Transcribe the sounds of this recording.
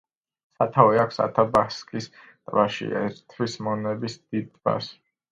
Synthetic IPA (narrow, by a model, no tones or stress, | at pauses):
sat̪ʰavɛakʷʰsa̰t̪ʰabaskʼis | t̪ʼvaʃḭɛ̰ɛɾt̪ʰvismɔnɛbisd̪̥id̪̚ʼba̰s